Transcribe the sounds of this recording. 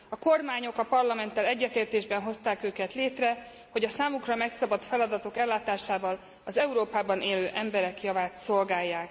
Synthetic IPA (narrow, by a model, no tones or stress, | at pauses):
ɒko̞rmaːɲo̞kɒpɒrlɒmɛnt̪ːɛlɛɟːɛt̪eːrt̪eːʒbɛnɦo̞st̪aːkøːkɛt̪leːt̪rɛ | hoɟɒsaːmukrɒmɛksɒbɒt̪fɛlɒd̪ɒt̪o̞kɛlːaːt̪aːʃaːvɒl | ɒzɛuɾoːpaːbɒneːløːʔɛmbɛɾɛkjɒvaːt̪so̞lɡaːjːaːk̚